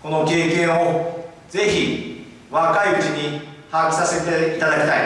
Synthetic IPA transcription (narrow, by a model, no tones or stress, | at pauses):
ko̞no̞ke̞ːkẽ̞ɰ̃o | d͡ze̞çi | βakaiɯt͡ɕiɲ̟ihakʲi̥sase̞t̪eit̪ad̪akʲi̥t̪aḭ